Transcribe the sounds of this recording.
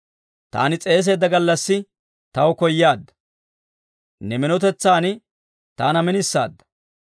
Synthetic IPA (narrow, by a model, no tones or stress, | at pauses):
t̪a̰ːnɪt͡sʼe̞ːs̬e̞ːd̪ːɐɡɐlːɐsːɪ | t̪ɐwkɔjːaːd̪ːɐ̥ | nɛmɪnɔt̪̬ɛt͡sːaːn | t̪aːnɐmɪnɪsːa̰ːd̪ːɐ̥